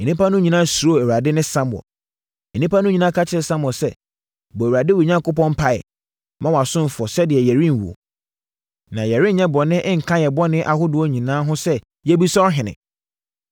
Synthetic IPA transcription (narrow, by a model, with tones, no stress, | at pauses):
e˨nĩ˦pa˦nʊ̃˦ɲĩ˨nãː˦su˨ɾo˦˨æ˨wu˨a˨dɪ˦nɪ̃˦sã˦m˨ɔ̰˨ | ɛ˨nĩ˦pa˦nʊ̃˦ɲĩ˨nãː˦kʰa˦t͡ɕʰɪ˦ɾsã˦mɔ˨sɛ˦ | bɔ˨æ˨wa˨dɪ˦wu˨ɲã˦ŋkʊ˦pɔ̃˦mpʰa˨ɪ̰˨ | mã˦wa˨sʊ̃˦m˨fʊ˨ɔ˨sɛ˦dɪ˨ɛ˨jɛ˨ɾĩ˦n˨wṵ˨o̰˨ | nã˨jɛ˨ɾĩ˦n˦ɲɛ̃˦bɔ˨nɪ̃˦ʔŋ̩˨kʰã˦jɛ˨bɔ˦nɪ̃˦ʔa˨ɦʊ˦dʊ˨˦ɔ˦ɲĩ˨nãː˦ɦʊ̃˦sɛ˦ | jɛ˦bi˦sɔ˦ɔ˦ɦɪ̃˨nɪ̰̃˨